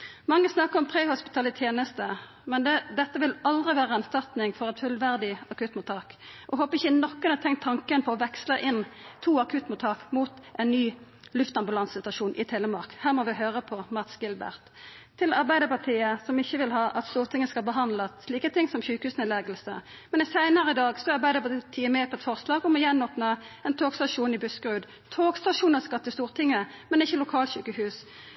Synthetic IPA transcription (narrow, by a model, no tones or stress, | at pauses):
mɑŋːəsnɑkːəɾɔmpʰʁeːhʊspɪ̥t̪ʰɑːlət̪ʰjeːnəst̪ə | mɛnd̪ɛd̪ɛt̪ːəʋɪlɑld̪ʁɪʋæːʁəɛnst̪ɑʁt̪nɪŋfɔʁɛt̪fʉlʋæʁd̪ɪɑkʉt̪ːmʊt̪ʰːɑːkʔɔɦoːpəɪçːənɔkːənɑt̪ʰɛŋt̪ʰːɑŋkənpʰɔɔʋɛksləʔɪnt̪ʰuːɑkʰʉt̪ːmʊt̪ʰːɑːkmuːt̪ʔɛnnyː | lʉft̪ɑmbʉlɑnsɪt̪ɑʂuːnʔɪt̪ʰeːləmɑʁkhæːʁmɔʋɪɦøːʁəpʰɔmɑt̪sɡɪlbæ̰ʁt̪ʰː | ɪlɑʁbæɪd̪əpɑt̪ʰiːəsɔmɪçːəʋɪlɦɑːʔɑt̪st̪uːʁt̪ʰɪŋːəskɑlbəɦɑnd̪ləsliːkət̪ʰɪŋsɔmçʉːkəhʉːsnɪlɛɡəlsə̰ | mɛnɪsæɪnəʁəɪd̪ɑːɡsɔɑʁbæɪd̪əpɑt̪ʰiːəmɛːpʰɔɛt̪fɔʁslɑːɡɔmɔjɛnːɔːpnɑɛnt̪ʰoːɡst̪ɑʂuːnɪbʉskʁʉːd̪ | t̪ʰoːɡst̪ɑʂuːnəskɑt̪ːəst̪uːʁt̪ʰɪŋːəmɛnɪçːəlʊkʰɑːlɕyːkəhʉːs